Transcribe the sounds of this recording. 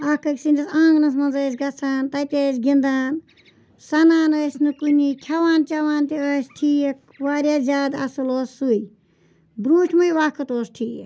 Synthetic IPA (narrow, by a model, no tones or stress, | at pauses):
ɐkɐkʲsinʲd͡ʒisãːŋɡnɐs̬mɐnzɐːs̬ʲɡɐt͡sʰaːnt̪ɐt̪ʲəːsʲɡind̪aːn | sɐnaːnəːsʲnɨkunikʲʰɐʋaːnt͡ʃɐʋaːnt̪iəːsʈʰiːjɐk | ʋaːɾʲjaːzʲaːd̪ɐsuloːsːuj | bɾuːʈʲʰmɐjʋaːkʰɨt̪oːsʈʰiː